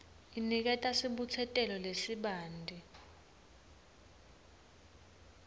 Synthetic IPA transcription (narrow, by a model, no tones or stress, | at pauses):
inik̬ɛtʼasiɓut͡sʰɛtʼɛlɔlesiɓaːndʱi